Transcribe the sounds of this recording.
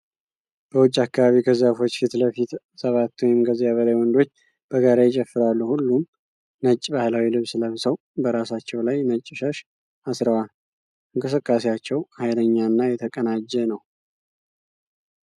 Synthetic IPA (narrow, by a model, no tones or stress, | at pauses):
b̥əwʊt͡ʃʼːakːaβaβikʰəzafo̞t͡ʃːfit̪ləfit̪ | səβat̪ːwjɪmɡəzijaβəlajwɔnd̪o̞t͡ʃː | b̥əɡaɾajɪt͡ʃʼɛfːɨɾalːuhulːum | nət͡ʃʼːbahlawilɨβsɨləβsəw | bəɾasat͡ʃːɛwlajnət͡ʃʼːʃəʃ | asɾəwal | ʔɨŋkʼɨsɨkʼːasejat͡ʃːɛwhajləɲːanːajɛt̪ʰəkʼənad͡ʒɛnəw